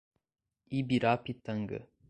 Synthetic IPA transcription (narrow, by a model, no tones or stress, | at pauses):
ibiɾaːpit̪ːɐŋɡɯ̰